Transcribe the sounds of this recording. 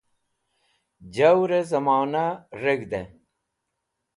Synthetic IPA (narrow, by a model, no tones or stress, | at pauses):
d͡ʑɐwɾezɐmaːnaɾeɡd̪e